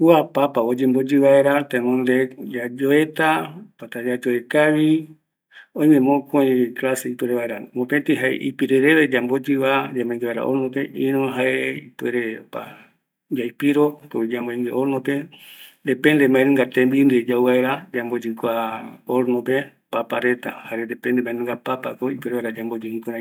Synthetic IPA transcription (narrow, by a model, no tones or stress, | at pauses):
uapapaod͡ʒembod͡ʒɨβaeɾat̪enõnd̪ed͡ʒad͡ʒoet̪apat̪ad͡ʒad͡ʒoekaβi | õj̃mẽmõkoĩklaseipweɾeβaeɾamopet̪iɦaḛʔḭpiɾeɾeβed͡ʒambod͡ʒɨβad͡ʒamoiŋɡeβaeɾa̰ʔoɾnõpeʔĩnõɦaeipweɾepa̰ | d͡ʒajpiɾokoβid͡ʒamboĩŋɡeʔoɾnõped̪epend̪emãẽnẽŋɡat̪ẽmbind̪ed͡ʒawβaeɾad͡ʒambod͡ʒɨkʷaoɾnope | papaɾet̪a̰haɾend̪epend̪emãẽnũŋɡapapakoipeɾeβaɾad͡ʒambod͡ʒihĩkoɾã